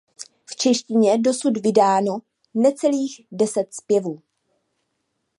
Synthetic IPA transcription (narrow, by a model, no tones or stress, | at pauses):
ft͡ʃɛʃcɪɲɛdo̞sudvɪdaːno̞ | nɛt͡sɛliːɣdɛsɛt̪spjɛvuː